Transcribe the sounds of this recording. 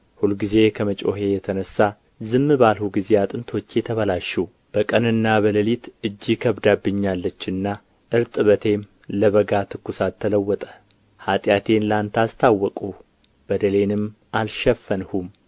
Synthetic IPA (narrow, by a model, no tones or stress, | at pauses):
hulɡize̞kʰəmət͡ʃʼo̞̰ɦe̞jɛt̪ʰənəsːa | zɨmːɨbalhuɡize̞at̪ʼɨnt̪ʰo̞t͡ʃːjɛt̪ʰəβəlaʃːɛ | b̥əkʼənɨnːaβələlit̪ɨd͡ʒːikʰəβd̪abːɨɲːalːət͡ʃːɨnːa | ʔɨɾt̪ʼɨβət̪ʰe̞m | ləβəɡat̪ʰɨkːusat̪ʰːələwːɔt̪ʼə̥ | hat̪ʼjat̪ʰe̞nlant̪ʰast̪ʰawːɔkʼu | b̥əd̪əle̞nɨm | ʔalʃɛfːənhum